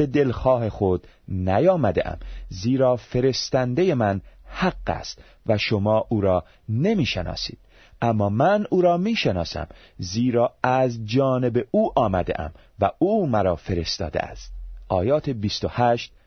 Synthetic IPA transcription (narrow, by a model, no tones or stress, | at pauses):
be̞d̪e̞lxɒːhe̞xod̪næjɒːmæd̪ḛʔæ̰mziːɾɒːfe̞ɾe̞st̪ænd̪eje̞mænhæɡːæ̰st̪ | væʃo̞mɒːʔuːɾɒː | ne̞miːʃenɒ̰ːsḭːd̪̥̚ | ʔæmːɒːmænuːɾɒːmiːʃenɒːsæ̰m | ziːɾɒːæzd͡ʒɒːne̞be̞ʔuːʔɒːmæd̪ḛʔæ̰m | væuːmæɾɒːfe̞ɾest̪ɒ̰ːd̪ḛæ̰st̪̚ʔɒːjɒːt̪ʰebist̪ohæʃt̪̚